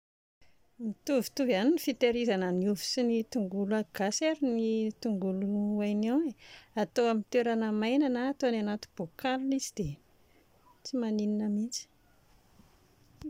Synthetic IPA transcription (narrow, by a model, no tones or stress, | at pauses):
mit̪uvi̥t̪uvaninifit̪eɾizanəniuvu̥sinit̪uŋɡulaɡ̥asaɾinit̪uŋɡuluajnaweat̪oamint̪eɾanəmajnanaːt̪oananat̪u̥b̥okalunizid̪e | t͡simanininəmint͡si̥